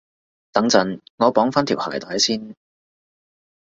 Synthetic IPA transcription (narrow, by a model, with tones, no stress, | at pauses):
t̪ɐ˨˥ŋt͡sɐ˨˥nŋɔː˨˧pɔː˨˥ŋfaː˥nt̪ʰiː˨˩wha̰ː˨˩jt̪aː˨˥jsiː˥n